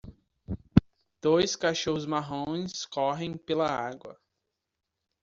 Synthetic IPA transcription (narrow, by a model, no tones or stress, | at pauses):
d̪̥ojskaʃoɦʊzmaɦõj̃skɔɦẽj̃pelɐaɡwɐ̰